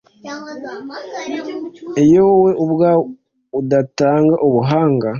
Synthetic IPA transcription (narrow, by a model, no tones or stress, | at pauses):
ejowe̞ʔoβwa | udataːŋɡaʔoβuɦaːŋɡa